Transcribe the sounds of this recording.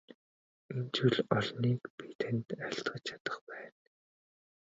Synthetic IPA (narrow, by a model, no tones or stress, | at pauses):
ent͡ɕʰuɮɔɮniːkpʰit̪ʰĕnt̪aɬt̪ɢə̆t͡ɕt͡ɕʰat̪ə̆χpæːn